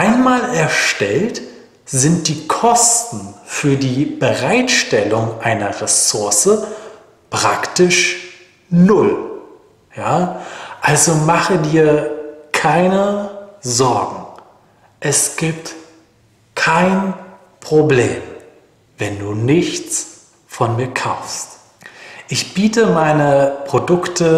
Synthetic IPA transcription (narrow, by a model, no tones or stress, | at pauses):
ʔaɪnmaːlɛɐʃtɛlt | z̥ɪnt̚d̥iːkʰɔstn̩fyːɐdiːbəʁaɪtʃtɛlʊŋʔaɪnɐʁesʊɐsə | pʁ̥aktɪʃ | nʊl | jaːʔalzomaχədiːɐkʰaɪnəzɔɐɡŋ̩ | ʔɛsɡ̥iːp̚t | kʰaɪn | pʁ̥obleːm | vɛnduːnɪçt͡s | fɔnmiːɐkʰaʊfst | ʔɪçb̥iːtəmaɪnəpʁ̥odʊktʰə